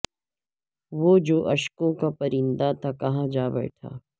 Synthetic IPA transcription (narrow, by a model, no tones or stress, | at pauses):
ʋoːd͡ʒoːʔɐʃkõkapɐɾɪ̃nd̪at̪ʰakɐɦãd͡ʒaːbɛ̰ːʈʰa̰ː